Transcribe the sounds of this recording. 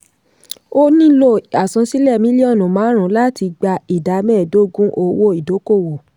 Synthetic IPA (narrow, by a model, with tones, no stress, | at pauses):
o˦nĩ˦lo˦˨a˨sã˨˧si˦lɛ˦˨mĩ˦li˦ɔ̃˦˨nũ˨mãː˨˦ɾ̃ũ˨˦la˦ti˧ɡ͡ba˧i˨da˨˧mɛ̃˦˨do˦˨ɡũ˦ʔo˧wo˦i˨do˨˦ko˦˨wo˨